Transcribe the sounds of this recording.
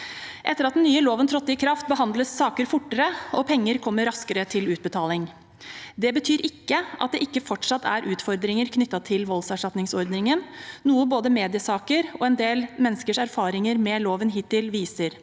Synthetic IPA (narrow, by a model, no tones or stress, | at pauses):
ʔɛt̪ːəɾɑt̪̚d̪nnyːəloːʋənt̪ʰɾɔt̪ːɪəkʰɾɑft̪̚bəɦɑnd̪ləsːɑːkəɾfʊʈːəɾəɔpʰɛŋːəɾkʰɔmːəɾɑskəɾət̪ʰɪlʉːt̪̚bət̪ʰɑːlɪŋ | d̪ɛbət̪ʰyːɾɪkːəʔɑt̪̚d̪ɛʔɪkːəfɔʈʂɑt̪ːæ̰ɾʔʉːt̪fɔɾd̪ɾɪŋəɾkʰnʏt̪ːɑt̪ʰɪlʋɔlsæʂʈɑt̪nɪŋsɔɾd̪nɪŋənnuːəboːd̪əmeːd̪ɪəsɑːkəɾɔɛnd̪eːlmɛnːəskəʂæɾfɑːɾɪŋəɾmɛloːʋənɦiːt̪ʰːɪlʋiːsəɾ